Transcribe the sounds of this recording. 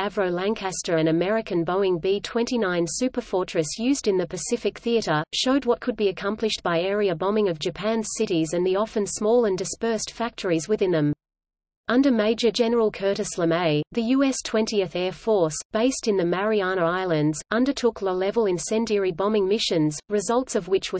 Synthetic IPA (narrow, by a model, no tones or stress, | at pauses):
ævɹoʊlæ̃ŋkʰæstə˞ɨ̃nɨmɛɹɨkɨ̃nboʊ̃ɪ̃ŋbitʰw̥ɛ̃ntinãɪ̃nsʉpə˞fɔɹt͡ʃɹ̥ɨsjʉzdɨ̃nðɨpʰɨsɪfɨk̚θiɨɾə˞ʃoʊd̚wʌt̚kʰɨd̚biɨkʰʌ̃mplɨʃtb̥aɪɛɹiɨbɑmɪ̃ŋʌvd͡ʒɨpʰæ̃nz̥sɪɾizɨ̃nðiɑfɨ̃nsmɔlˠə̃ndɨspɜ˞stfæk̚tʰə˞izwɨðɪ̃nðɨ̃m | ʔʌ̃ndə˞meɪd͡ʒə˞d͡ʒɛnə˞l̩ˠkʰɜ˞ɾɨslə̃meɪðɨjʉɛstʰw̥ɛ̃ntiɨθɛɹfɔɹsb̥eɪstɨ̃nðɨmæɹiɑñəaɪlˠɨ̃ndzʌ̃ndə˞tʰʊkləlɛvəl̩ˠɨ̃nsɛ̃ndiəɹibɑmɪ̃ŋmɪʃɨ̃nzɹɨzʌlˠtsʌvwɨt͡ʃwə˞